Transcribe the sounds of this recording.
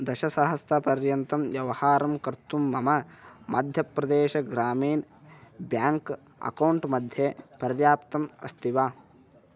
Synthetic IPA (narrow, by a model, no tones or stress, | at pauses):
d̪ɐʃɐsɐɦɐst̪ɐpɐɾjɐnt̪ɐmjɐʋɐhaːɾɐmkɐɾt̪umːɐmɐmʔɐd̪ʱjɐpɾɐd̪eːʃɐɡɾaːmiːn | bjaːŋk | ɐ̰kɐwɳʈmɐd̪ʱjepɐɾjaːpt̪ɐmɐ̰st̪iʋaː